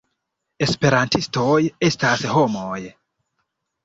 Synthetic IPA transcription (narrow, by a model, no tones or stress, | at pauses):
e̞spe̞ɾantisto̞je̞stasho̞moj